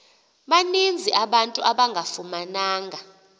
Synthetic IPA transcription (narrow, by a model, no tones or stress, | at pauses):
ɓanind͡zʱiʔaɓantʼuaɓaŋɡʱafumanaːŋɡʱa